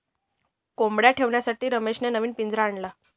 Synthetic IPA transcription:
kombɽjaʈʰeʋɳjasaʈiːɾəmeɕnenəʋiːnpind͡zɾaːɳla

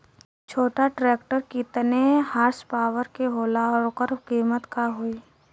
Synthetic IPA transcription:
t͡ʃʰoːʈaʈɾeːkʈəɾkit̪nehaːɾspaːʋəɾkeɦoːlaɔɾkəɾkiːmət̪kaɦoiː

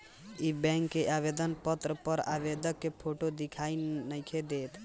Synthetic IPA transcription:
ibɛ̃ŋkːeʔabed̪ənpət̪ɾəpəɾabed̪əkːepʰoʈod̪ikʰainəjkʰed̪et̪

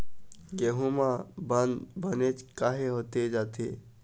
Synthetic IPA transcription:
ɡeɦũmãbənd̪bənet͡ʃkaːɦeɦoːt̪ed͡ʒaːt̪ḛ

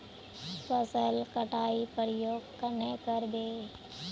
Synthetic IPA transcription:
pəsəlkəʈaːipəɾəjoːɡkənekəɾd̪eː

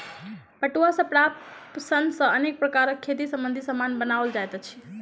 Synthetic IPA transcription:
pəʈuasəpɾapsənsəənek̚pɾəkaɾəkʰːet̪̬isəmbə̃nd̪ʱisəmanbənaʋəld͡ʒajt̪t͡ʃʰi̥

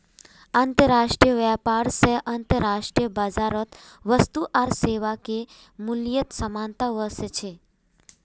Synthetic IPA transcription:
ənt̪əɾaːʃʈɾijəʋɛpaɾseʔɐnt̪əɾaʃʈɾijəbad͡ʒaːɾət̪ʋəst̪uʔaɾseːʋake | mulijət̪səmant̪aʋəset͡ʃʰe

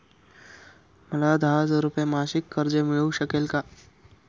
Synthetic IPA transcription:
məlad̪ʱaɦazəɾupjemaʃɪkːəɾd͡ʒemɪɭəuɕəkelka

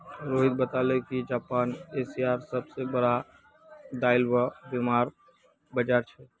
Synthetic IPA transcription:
ɾoːɦit̪̚bət̪alekid͡ʒaːpaːnesiaːɾsəbsebəɽa | d̪aːɪlbabimaːɾ | bəd͡ʒaːɾt͡ʃʰɛ

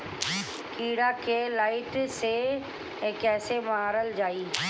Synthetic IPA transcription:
kiːɽakelaːɪʈse | kɛːsemaːɾəld͡ʒaːiː

